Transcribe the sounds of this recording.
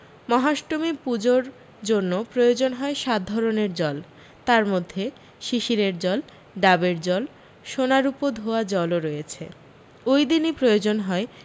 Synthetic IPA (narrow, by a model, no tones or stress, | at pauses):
mɔɦaʃʈomipud͡ʑoɾ | d͡ʑonːopɾojod͡ʑonɦɔeʃat̪̚d̪ʱɔɾoneɾd͡ʑɔl | t̪aɾmod̪ʱːe | ʃiʃiɾeɾd͡ʑɔl | ɖabeɾd͡ʑɔl | ʃonaɾupod̪ʱoad͡ʑɔloɾɔjet͡ɕʰḛ | ojd̪inipɾojod͡ʑonɦɔe